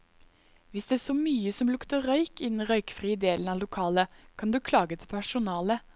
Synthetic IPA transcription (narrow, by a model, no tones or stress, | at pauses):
ʋɪsd̪ɛæːsɔmyːəsɔmlʊkt̪əɾœʏkɪd̪ɛn̩ʁœʏkfʁiːəd̪eːlənɑːlʊkʰɑːləkʰɑnd̪ʉːkʰlɑːɡət̪ʰɪlpʰæʂʊnɑːlə